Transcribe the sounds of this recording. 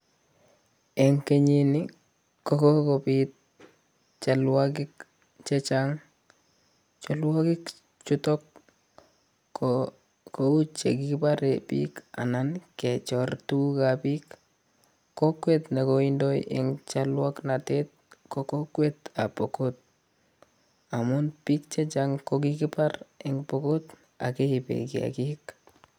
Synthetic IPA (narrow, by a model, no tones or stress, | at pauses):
ɛŋkeɲini | kokɔkopit̪̚ | t͡ʃalwak̬ɪk | t͡ʃet͡ʃaŋ | t͡ʃɔlwakɪk | t͡ʃutɔk | kout͡ʃekipaɾepḭka̰nankɛt͡ʃɔrtukapikː | okwetnakoindɔjʔɪ̰ŋt͡ʃalwaknatet̪̚kɔkokwet̪apɔkot̚ | amʊnpik̚t͡ʃet͡ʃaŋkok̬ikɪpaɾɪŋpɔkot | a̰kɛipḛkia̰kik